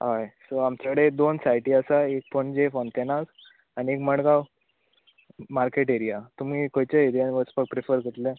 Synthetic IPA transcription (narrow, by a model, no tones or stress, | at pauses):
ɦajsoamt͡ɕakəɽed̪onsajʈiːasaek̚pəɳd͡ʑefont̪enak | aniekməɽɡaw | maɾkeʈeɾijat̪um̤iːkojt͡ɕeeɾijanʋəspək̚pɾifəɾkəʈ̪le